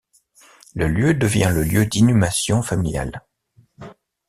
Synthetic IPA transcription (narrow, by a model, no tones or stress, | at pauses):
ləljød̪əvjɛ̃ləljød̪inymasjɔ̃familja̰l